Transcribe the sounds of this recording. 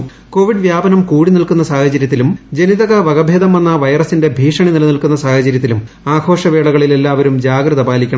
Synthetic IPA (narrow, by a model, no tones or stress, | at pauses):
ko̞ːʋiɖʋjaːbɐnɐmkuːɽinilkun̪ːɐsaːhɐt͡ɕɐɾjɐt̪ːilumd͡ʑe̞niðɐɣɐʋɐɣɐbʱeːd̪ɐmɐnːɐʋɐjɐrɐsːinde̞bʱiːʂɐɳinilɐnilkunːɐsaːhɐt͡ɕɐɾjɐt̪ːilum | aːɡʰo̞ːʂɐʋeːɭɐɣɐɭile̞lːaːʋɐɾumd͡ʑaːɡɾɐðɐbaːlikʲːɐɳɐm